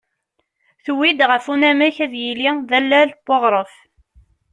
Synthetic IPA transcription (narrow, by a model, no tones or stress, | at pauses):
θwːid̪ʁəfunæmæçæðjiliðælːælboʁɾˤəf